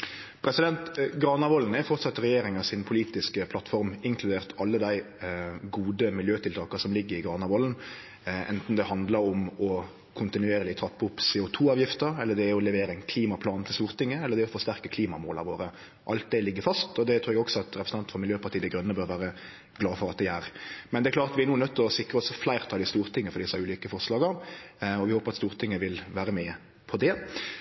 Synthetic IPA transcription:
pʰɾɛsɪd̪ɛnt̪ɡɾɑːnɑʋɔln̩æfɔʁt̪sɑt̪ːəɾɛjeːɾɪŋɑsɪnpʰʊliːt̪ɪskəpʰlɑt̪fɔɾmɪŋkʰlʉd̪eːʁt̪ʰɑlːəd̪æɪ | ɡuːd̪əmɪljøːt̪ʰɪlt̪ɑːkɑsɔmlɪɡːəɾɪɡʁɑːnɑʋɔːln̩ | ɛ̰nt̪n̩d̪ɛhɑnd̪ləɾɔmɔ | kʰʊnt̪ɪnʉeːɾəlɪt̪ʰɑpːʊpsɛːʊt̪ʰuːɑːʋjɪft̪əɛlːəd̪ɛæɾɔlɛʋeːɾəɛnkʰliːmɑpʰlɑːnt̪ʰɪlst̪uːɾt̪ɪŋːəɛlːəd̪ɛɔfɔʁst̪æɾkəkʰliːmɑmoːlɑ̰ɾʋoːɾə | ʔɑlt̪̚d̪ɛlɪɡːəfɑst̪ɔd̪ɛt̪ʰɾʉːɾɛɡɔksɔɑt̪ɾɛpɾəsn̩ɑnt̪̩fɔmɪljøːpɑʁt̪ʰiːd̪ɛɡɾœnːəbøːɾʋæːɾə | ɡ̥lɑːfɔɾɑt̪̚d̪ɛæɾmɛnd̪ɛklɑːɾt̪ʋɪæɾnuːnœt̪ʰːɪɔsɪkɾəɔsɔflæɪʁt̪ʰɑːd̪ɪst̪uːɾt̪ʰɪŋːəfɔɾd̪ɪsæʉːliːkəfɔʁʂlɑːɡəɾɔʋɪhoːpəɾɑt̪st̪uːɾt̪ʰɪŋːəʋɪlʋæːɾəmɛ | pʰɔd̪ɛ

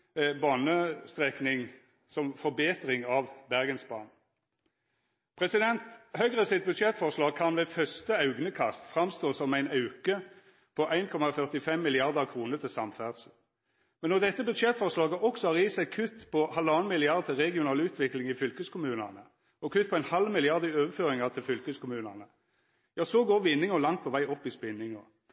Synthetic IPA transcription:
bɑnəst̪ʁɛknɪŋ | sɔmfɔɾbeːt̪ʁɪŋɑʋbæʁɡənsbɑ̰ːn | pʰʁɛsɪd̪ɛnt̪hœʏɡʁəsɪt̪̚bʉd̪ʃɛt̪fɔʁʂlɑːɡ̚kʰɑnʋɛfœst̪əɑʉɡnəkʰɑ̰st̪fʁɑmst̪oːsɔmæɪnɑʉkə | pʰɔʔæɪnkʰɔmɑfœʁt̪ɪfɛmːɪlɪɑʁd̪əʁkʰʁuːnəʁt̪ʰɪsɑmfæːʁd̪sə | mɛnːɔd̪ɛt̪ːəbʉd̪ʂɛt̪fɔʁʂlɑːɡəʔɔksɔɑʁiːsæɪkʰʉt̪ːpʰɔhɑlɑːnmɪlɪɑʁd̪̚t̪ʰɪlʁɛɡɪʊnɑːlʉːt̪ʰʋɪklɪŋɪfʏlkəskʰʊmʉːnɑnə | ɔkʰʉt̪̚ːpʰɔæɪnhɑlmɪlɪɑʁd̪ɪøːʋəføːɾɪŋɑʁt̪ʰɪlfʏlkəskʊmʉːnɑnə | jɑːsɔɡoːʁʋɪnːɪŋɔlɑŋt̪̚pʰɔʋæɪɔpːɪspɪnːɪŋɔ

